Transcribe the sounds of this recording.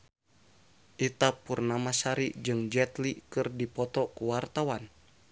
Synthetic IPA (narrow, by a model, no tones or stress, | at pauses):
ʔit̪apurnamasaɾiʔd͡ʒɨŋd͡ʒɛt̪likɨrdipɔt̪ɔkuwart̪awan